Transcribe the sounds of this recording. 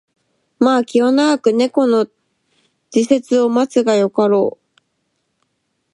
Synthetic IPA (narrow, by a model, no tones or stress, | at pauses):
maːkʲiβanaɡakɯ̟ne̞ko̞no̞ | d͡ʑ̥ise̞t͡sɨo̞mat͡sɨɡajo̞kaɾo̞ː